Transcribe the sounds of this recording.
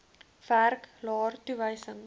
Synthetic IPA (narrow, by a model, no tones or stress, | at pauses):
færklɑːrtuvəjsəŋ